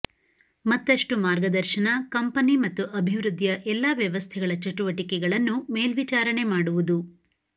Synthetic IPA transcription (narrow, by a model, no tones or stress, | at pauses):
mɐt̪ːɐʂʈumaːɾɡɐd̪ɐɾʃɐnɐkɐmpɐnimɐt̪ːuʔɐbʱiʋɾud̪jɐʔɛlːaːʋjɐʋɐst̪ʰɛɡɐɭɐt͡ʃɐʈuʋɐʈikɛɡɐɭɐnːume̞ːlʋit͡ʃaːɾɐɳe̞maːɽuʋud̪u